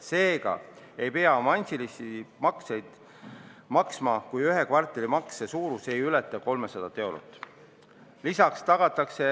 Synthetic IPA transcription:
se̞ːɡ̥ɑ̰ | e̞jpe̞ɑmɑnʲsilisimɑkse̞jd̪̥ | mɑksmɑkujyɦekvɑrt̪ˑːelimɑksesuːɾuse̞jylɛt̪ːˑɑko̞lmesɑd̪̥ɑt̪ːˑe̞wɾṵt̪ːˑ | lisɑkst̪ɑɡ̥ɑt̪ːˑɑkse̞

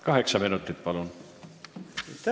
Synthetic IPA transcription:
kɑɦe̞ksɑminut̪ːˑit̪̚pɑlun

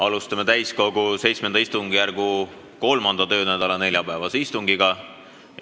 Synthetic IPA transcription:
ɑlust̪ɑmet̪æjsko̞ɡ̥use̞jt̪sme̞nd̪ɑist̪uŋɡ̥ijærɡ̥u | ko̞lmɑnd̪̥ɑt̪ø̞ːnæd̪̥ɑlɑne̞lʲjɑpæevɑseist̪uŋɡ̥iɡ̥ɑ

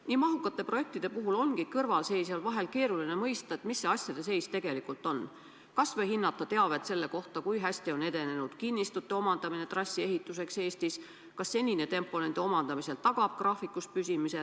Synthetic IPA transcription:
niːmɑɦukːˑɑt̪ːˑe̞pro̞je̞k̚t̪id̪̥e̞puɦulo̞nɡ̥ikɤrvɑlse̞jsolvɑɦe̞lke̞ːɾuline̞mɤjst̪ɑe̞t̪misːe̞ɑsʲjɑd̪e̞s̬e̞jst̪e̞ɡ̥e̞likˑult̪ˑo̞n | kɑsvɤjhinːɑt̪ːˑɑt̪e̞ɑve̞t̪se̞lːe̞ko̞ht̪ɑkujɦæsʲt̪io̞ne̞d̪e̞ne̞nud̪̥kinʲːist̪ut̪ːˑe̞o̞mɑnd̪̥ɑmine̞t̪rɑsʲːie̞ɦit̪ːˑuse̞kse̞ːst̪is | kɑsːe̞nʲine̞t̪e̞mpːˑo̞ne̞nd̪̥eo̞mɑnd̪̥ɑmise̞lt̪ɑɡ̥ɑb̥̚krɑːfikːˑuspysʲimise̞

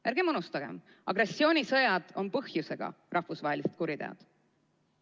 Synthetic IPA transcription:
jæɾɡ̥emɤnust̪ɑɡ̥e̞̰m | ɑɡɾe̞sːio̞ːnʲisɤjɑd̪̥o̞npɤhjuse̞ɡ̥ɑ̰ | rʔɑhfusvɑɦelise̥t̪̚kuɾid̪e̞̰ɑ̰d̪̥

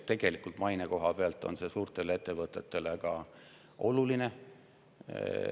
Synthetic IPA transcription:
t̪e̞ɡ̥e̞likult̪mɑjneko̞ɦɑpeɑlt̪ːˑo̞̰nse̞suːrt̪e̞lee̞t̪ːe̞vɤt̪ːˑe̞t̪ːe̞lekɑ | ʔo̞luline̞

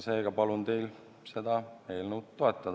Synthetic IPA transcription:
se̞ːɡ̥ɑpɑlunt̪e̞jl | se̞d̪̥ɑe̞ːlnəwt̪t̪ːo̞e̞t̪ːˑɑd̪

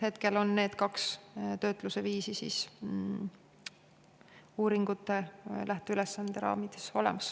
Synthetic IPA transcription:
he̞t̪ke̞lo̞nːe̞ːd̪̥kɑkst̪ø̞ːt̪ˑluseviːsisḭs | uːɾiŋɡ̥ut̪ːˑe̞lʔæht̪eylesːɑnd̪̥e̞ɾɑ̰ːmid̪̥e̥so̞lɛ̰mɑs

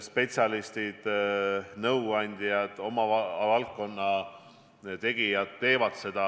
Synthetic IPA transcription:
spe̞t̪siɑlist̪id̪̥ | nɤwɑnʲd̪̥ʲijɑd̪̥o̞mɑvɑlk̚ːˑo̞nːɑ | t̪e̞ɡ̥ijɑd̪ːe̞ːvɑd̪̥se̞d̪̥ɑ

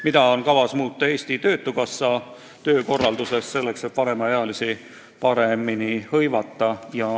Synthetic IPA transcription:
mid̪ɑo̞nkɑvɑsmuːt̪ːˑɑe̞ːst̪it̪ø̞ːt̪ːˑukɑsːɑ | t̪ø̞ːko̞rːɑld̪use̞sːse̞lːe̞kset̪̚pɑɾe̞mɑeɑlisi | pɑɾe̞minihɤ̞jvɑt̪ːˑɑjɑ

